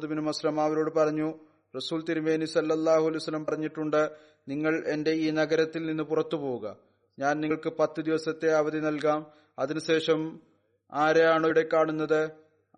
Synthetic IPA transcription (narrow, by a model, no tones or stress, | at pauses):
d̪ubinumɐslɐmaːʋɐɾo̞ːɽɨpɐrɐɲːu | rɐsuːlt̪iɾume̞ːnusɐlːɐlˠːaːhuɐlɐjwsɐlːɐmpɐrɐɲːiʈːuɳɖɨ | niŋːɐɭe̞nde̞iːnɐɡɐɾɐt̪ːilninːɨpurɐt̪ːupo̞ːuɣɐ | ɲaːnniŋɭkɨpɐt̪ːɨd̪iʋɐsɐt̪ːe̞ɐʋɐd̪ʱinɐlk̬aːm | ɐðinɨɕe̞ːʂɐm | aːɾejaːɳɨoɽe̞kːaːɳunːɐðɨ